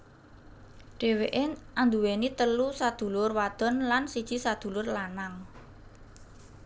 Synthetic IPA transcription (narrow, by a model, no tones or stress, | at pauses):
ɖ̥e̤weʔeʔand̪uwenit̪əlusad̪̥ṳlʊrwad̪̥ɔ̤nlansid̥ʒ̥i̤sad̪̥ṳlʊrlanaŋ